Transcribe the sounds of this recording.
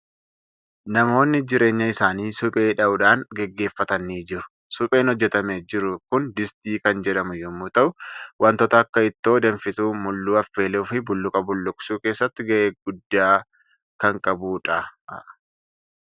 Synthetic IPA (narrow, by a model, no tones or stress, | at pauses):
nɐmo̞ːnːɪd͡ʒɪɾe̞ːɲːɐɪsaːniːsʊpʼe̞ːᶑɐʔʊᶑaːŋɡɛɡːe̞ːfːɐt̪ɐnːiːd͡ʒɪɾʊ̥ | sʊpʼe̞ːnhɔd͡ʒːɛt̪ɐmeːd͡ʒɪɾʊkʊnd̪ɪst̪iːkɐnd͡ʒɛᶑɐmʊjɔmːuːt̪ɐʔʊwɐnt̪ɔt̪ɐːkːɐɪt̪ːo̞ːd̪ɐnfɪt̪uːmʊlːuːɐfːe̞ːluːfɪbʊlːʊkʼɐbʊlːʊksuːke̞ːsːɐt̪ːɪɡɐʔeːɡʊd̪ːaː | kɐŋkʼɐbuːᶑɐ